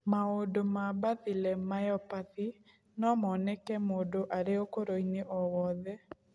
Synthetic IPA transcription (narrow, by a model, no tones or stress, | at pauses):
maondomabaðilɛmajɔpaði | nɔmɔnɛkɛmoːdoʔaɾeokoɾoineʔɔwɔðɛ